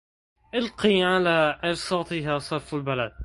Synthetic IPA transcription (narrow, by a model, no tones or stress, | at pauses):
ʔɪlqiːʕalaːʔɪɾsɑːt̪ˤɨɦaːsˤɑɾˤfalbalad̪̚